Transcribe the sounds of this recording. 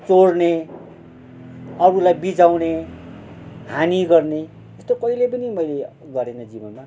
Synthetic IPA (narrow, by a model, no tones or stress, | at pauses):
t͡soɽne | ʌɾulajbid͡zawne | ɦaniɡʌrne | est̪okʌilep̬ʌnimʌjle | ɡʌɾenʌd͡zibʌnma